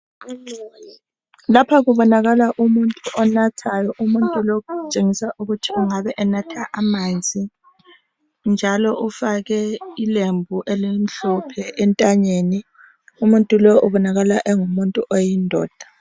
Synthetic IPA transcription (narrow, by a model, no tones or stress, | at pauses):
lapʰaɣuβɔnaɣalaʔumuntʼuʔɔnatʰajɔʔumuntʼulɔkt͡ʃʼeŋisaʔuɣutʰiuŋaβɛʔɛnatʰaʔamand͡zʱi | nd͡ʒʱalɔʔufaɣɛilembʱuʔɛlen̩ɬupʰɛʔɛntʼaɲeːni | umuntʼulɔʔuβɔnaɣalaʔɛŋumuntʼuʔɔjindʱɔ̰ːd̥ʱḁ